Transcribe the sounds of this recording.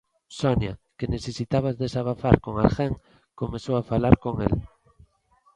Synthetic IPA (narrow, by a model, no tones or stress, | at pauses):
sonjakeneθesit̪aβ̞azðesaβ̞aθaɾkoŋalxeŋ | komesoafalaɾkoŋḛl